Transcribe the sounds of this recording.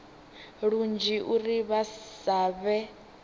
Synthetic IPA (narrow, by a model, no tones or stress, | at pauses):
ɺund͡ʒiʔuriβaaβɛ